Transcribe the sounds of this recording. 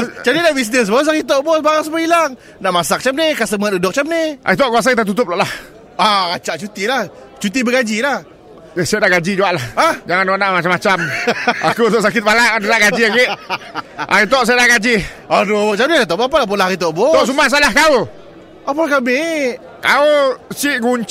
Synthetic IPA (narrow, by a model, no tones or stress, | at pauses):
t͡ʃadinaʔbis̬nəs̬bos̬aɣit̪̬ɔʔbɔsbaɾaŋs̬əmailaŋ | naʔmasak̚t͡ʃap̚nikaʔsəmat̪dudɔk̚t͡ʃap̚niʔa̰it̪̬ɔʔkuas̬ait̪at̪ut̪̬ʊp̚lɔʔlah | aat͡ʃaʔt͡ʃut̪ilah | t͡ʃut̪̬ibəɡad͡ʒilah | əsajadahɡad͡ʒid͡ʒuaʔlahahd͡ʒaŋanonaʔmat͡ʃamat͡ʃama̰kut̪oʔsakɪt̪̚baladənaʔɡad͡ʒiaɡeʔ | ʔa̰ɣit̪ɔʔs̬ajadaɡad͡ʒiadoʔt͡ʃap̚niat̪ɔpapalahp̬olahaɾit̪ɔʔbɔɔʔs̬umahs̬alahkau | apalahkamɪ | kaut͡ʃiʔɡuɲt͡ʃ